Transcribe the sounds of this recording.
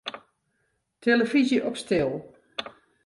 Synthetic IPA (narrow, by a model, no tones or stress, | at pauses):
tʰeləfizjəʔɔpstɪlˠ